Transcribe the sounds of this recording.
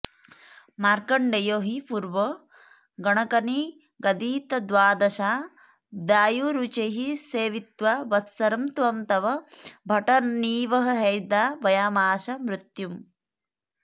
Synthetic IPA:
maːɾkɐɳɖɐjoːɦipuːɾʋɐo | ɡɐɳɐkɐni | ɡɐd̪iːt̪ɐd̪ʋaːd̪ɐʃaː | d̪aːjuɾut͡ʃeɦiseːʋit̪ʋabɐt̪sɐɾɐmt̪ʋɐmt̪ɐʋɐbʱɐʈɐniːʋɐɦɐɦɐjd̪aːbɐjaːmaːʃɐmɾut̪jum

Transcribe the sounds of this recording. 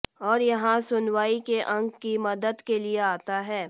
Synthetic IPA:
ɔːɾjɐɦãsʊnʋaːikeʔɐ̃ŋɡkimɐd̪əd̪kelieaːt̪aɦɛː

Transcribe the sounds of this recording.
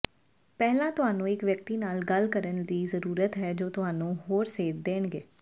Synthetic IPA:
pɛːɦlãːt̪ʊɦaːnũːɪkʋjək̚t̪iːnaːlɡəlkəɾənd̪iːzəɾuːɾət̪ɦɛːd͡ʒoːt̪ʊɦaːnũːɦoːɾseːd̪d̪eːɳɡeː

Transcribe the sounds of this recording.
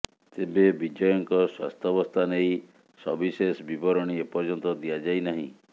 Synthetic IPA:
t̪ebebid͡ʒɔjɔŋkɔswa̰st̪ʰɔbɔst̪ʰanej | sɔbisesbibɔɾɔɽ̃iepɔɾd͡ʒɔnt̪ɔd̪ijad͡ʒajnaɦĩ

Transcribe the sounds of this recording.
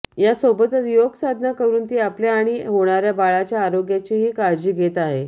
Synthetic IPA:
jasobət̪ət͡sjoɡsad̪ʱnakəɾuːnt̪iːapljaːɽ̃iɦoɽ̃aɾjabaɭat͡ɕjaːɾoɡjat͡ɕiɦiːkaɾd͡ʑiːɡʱet̪aɦe

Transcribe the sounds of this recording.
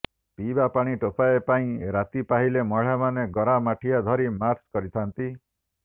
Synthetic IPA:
pibapaɽ̃iʈopaepaĩɾat̪ipaɦilemɔɭ̤amaneɡɔɾamaʈʰijad̪ʱɔɾimaɾskɔɾit̪ʰant̪i

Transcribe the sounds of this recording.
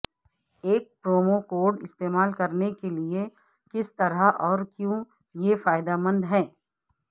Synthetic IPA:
eːk̚pɾoːmokoːɾɖɪst̪eːmaːlkɐɾnekelie | kɪst̪ɐɾaʔɔːɾkjũː | jefaːɪd̪amə̃nd̪ɦɛː

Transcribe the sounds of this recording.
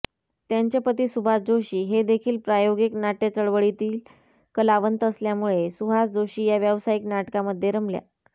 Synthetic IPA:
t̪jaɲt͡ɕepət̪iːsubʱad͡zoɕiːɦed̪ekʰiːlpɾajoɡeknaʈet͡səɭʋəɭit̪iːl | kəlaʋənt̪əsljamuɭesuɦasd͡zoɕiːjaʋjəʋsaiknaʈkaməd̪ʱːjeɾəmlja̰

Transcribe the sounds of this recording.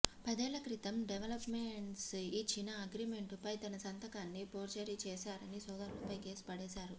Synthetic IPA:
pɐd̪ɛːlɐkɾit̪ɐmɖeʋɐlɐpmeɳʈsit͡ʃːinɐɐɡɾime̞ɳʈupɐjt̪ɐnɐsɐnt̪ɐkaːnːipoːɾt͡ʃɐɾit͡ʃɛːʃaːɾɐnisɔːd̪ɐɾulɐpɐjke̞ːsu̥pɐɽɛːsaːɾu

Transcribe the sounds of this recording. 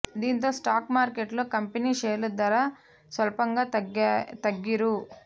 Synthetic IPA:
d̪int̪osʈaːkmaːɾkeʈlukɐmpeniʃeːlud̪ʋɐɾɐ | sʋɐlpɐŋɡɐɐt̪ɐɡːiɾu

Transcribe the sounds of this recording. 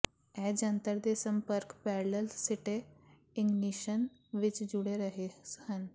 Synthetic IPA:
ɛd͡ʒə̃nt̪əɾd̪esəmpəɾkpɛɾləlsiʈe | ɪ̃ŋɡniʃən | ʋɪt͡ʃd͡ʒuɽeɾəɦehən

